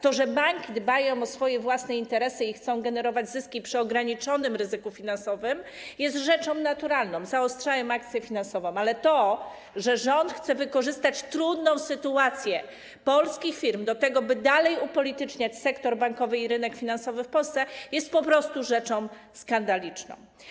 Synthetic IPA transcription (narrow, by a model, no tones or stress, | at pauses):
t̪ɔʐɛbaŋkʲid̪bajɔ̃w̃ɔsfɔjɛvwasnɛint̪ɛɾɛsɘixt̪sɔ̃w̃ɡɛnɛɾɔvad͡ʑzɘskʲipʂɘɔɡɾaɲit͡ʂɔnɘmɾɘzɘkufʲinansɔvɘmjɛs̬t̪ʐɛt͡ʂɔ̃w̃nat̪uɾalnɔ̃w̃zaɔstʂajɔ̃w̃akt̪sʲjɛfʲinansɔvɔ̃w̃alɛt̪ɔ | ʐɛʐɔnt̪xt̪sɛvɘkɔʐɘst̪at͡ɕt̪ɾud̪nɔ̃w̃sɘt̪uat̪sʲjɛ | pɔlskʲixfʲiɾmd̪ɔt̪ɛɡɔbɘd̪alɛjupɔlʲit̪ɘt͡ʂɲat͡ɕsɛkt̪ɔɾbaŋkɔvɘiɾɘnɛkfʲinansɔvɘfpɔlst̪sɛjɛst̪̚pɔpɾɔst̪uʐɛt͡ʂɔ̃w̃ | skand̪alʲit͡ʂnɔ̰̃w̃